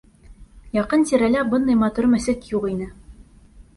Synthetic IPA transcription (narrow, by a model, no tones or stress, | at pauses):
jɑqɤnt̪iɾælæbɤnd̪ɑjmɑt̪uɾmæ̆sɘkjuqinɘ